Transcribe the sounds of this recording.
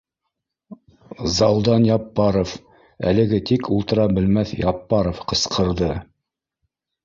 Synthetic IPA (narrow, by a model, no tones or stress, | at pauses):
zɑlˠd̪ɑnjɑpːɑɾof | æ̰lɘ̆ɡɘt̪ikʰulˠt̪ɤ̆ɾɑbɘ̆lmæθjɑpːɑɾofqɤ̆sqʰɤ̆ɾðɤ